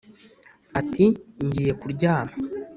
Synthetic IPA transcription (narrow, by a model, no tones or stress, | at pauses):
atiɲɟije̞kuɾɟaːna